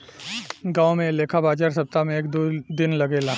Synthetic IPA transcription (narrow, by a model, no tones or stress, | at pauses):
ɡãːomẽleːkʰabaːd͡ʒaːɾsɐb̚t̪amẽeːkd̪od̪ɪnlɐɡeːla